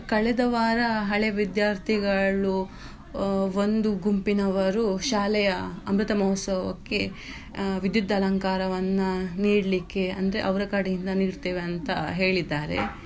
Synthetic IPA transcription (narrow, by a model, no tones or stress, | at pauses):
kɐɭɛd̪ɐʋaːɾɐɦɐɭeʋid̪jaːɾt̪ʰiɡɐɭu | ʋo̞nd̪uɡumpinɐʋɐɾuʃaːlɛjɐɐmɾut̪ɐmɐɦɔt̪sɐʋɐkːe̞ | ʋid̪jud̪ʱːɐlɐŋkaːɾɐʋɐnːuniːɽlikːeɐnd̪ɐɾeʔɐʋɾɐkaɽɐjind̪ɐniːɽt̪eːʋeɐnt̪ɐɦe̞ːɭid̪ːaːɾe̞̰